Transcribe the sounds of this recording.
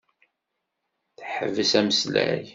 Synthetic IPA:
θħə̰vːəsæməslæ̰j

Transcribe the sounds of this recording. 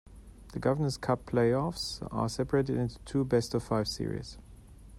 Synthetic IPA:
ðəɡʌvə˞nəz̥kʰʌpʰl̥eɪɔfsə̰sɛpəɹeɪɾɨdɪ̃ntu̥tʰuːbɛstʌv̥faɪv̥sɪ̰ɹḭz̥

